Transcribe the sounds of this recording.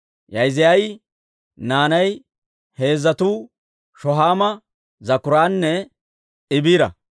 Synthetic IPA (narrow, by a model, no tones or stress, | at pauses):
jɐjzɪjɐj | naːnɐj | he̞ːzːɐt̪uː | ʃɔɦaːmɐ | zɐkʊɾaːnːɛ | ɪbiːɾɐ̰